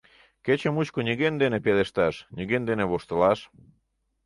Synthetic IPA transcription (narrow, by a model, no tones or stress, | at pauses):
ket͡ɕemut͡ɕkoniɣend̪enepeleʃt̪ɑʃnʲiɣend̪eneβoʃt̪əlɑʃ